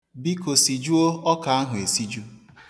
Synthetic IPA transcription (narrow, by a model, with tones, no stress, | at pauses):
bi˦ko˨si˨d͡ʒu˦o˦ɔ˦ka˨a˦ɦʊ˨e˨si˦d͡ʒu˦